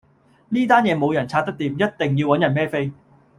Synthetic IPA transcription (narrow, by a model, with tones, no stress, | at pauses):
niː˥t̪aː˥njɛː˨˧mo˨˧wjɐ˨˩nt͡sʰaː˧t̪̚ɐ˥kt̪iː˨˧mjɐ˥t̚t̪ɪ˨ŋji˧wɐ˨˥njɐ˨˩nmɛː˥fe˥j